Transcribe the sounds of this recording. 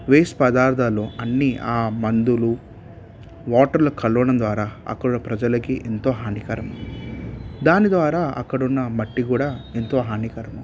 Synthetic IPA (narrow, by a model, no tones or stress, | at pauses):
ʋeːspɐd̪aːɾd̪ʰʱaːloːɐnːiaːmɐnd̪ulu | ʋaːʈɐɾlɐkʰɐɭuʋɐɽɐmd̪ʋaːɾaːɐ̰kːɐɽuɽɐpɾɐd͡ʒɐlɐkiʔent̪o̞ːɦaːnikɐɾɐm | d̪aːnid̪ʋaːɾaːɐ̰kːɐɽunːɐmɐʈːikuːɽaːent̪o̞ːɦaːnikɐɾɐmu